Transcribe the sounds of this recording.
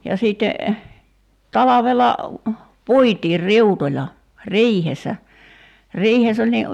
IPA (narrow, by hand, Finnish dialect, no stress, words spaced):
jɑ siˑtːe tɑlɑʋelɑ puitiːr riutolʲɑ riːhesˑæ riːhes olʲ ni